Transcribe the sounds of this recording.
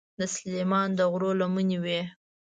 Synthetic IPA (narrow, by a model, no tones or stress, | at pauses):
d̪əslemɑnd̪əɣɾolamuniwe